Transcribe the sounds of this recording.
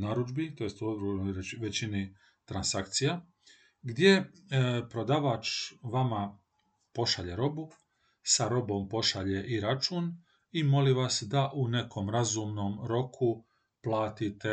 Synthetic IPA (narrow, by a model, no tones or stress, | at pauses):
naɾud͡ʒbit̪ojest̪oɡɾonojʋe̞t͡ɕini | t̪ɾansakt̪sija | ɡd̪ʲje̞pɾod̪aːʋat͡ʃʋama | po̞ʃaʎe̞ɾo̞bu | saɾo̞bo̞mpo̞ʃaʎe̞ʔiɾat͡ʃuːn | imo̞liʋasd̪aʔune̞kʰo̞mɾazumnomɾo̞kʰu | plˠaːt̪it̪e̞